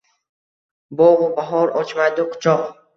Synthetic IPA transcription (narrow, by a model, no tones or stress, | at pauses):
bɔʁubaɦɔɾɔt͡ʃmajd̪uqʰʊ̥t͡ʃʰɔq